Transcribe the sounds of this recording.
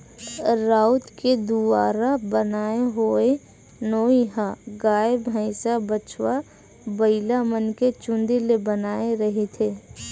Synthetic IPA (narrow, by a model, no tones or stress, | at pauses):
ɾaːʊt̪ked̪uaːɾabənaːeɦoe | noːiɦaɡaːebɦə̃ɪsabət͡ʃwa | bəɪlamənket͡ʃʊ̃nd̪ilebənaːeɾəɦet̪ʰeː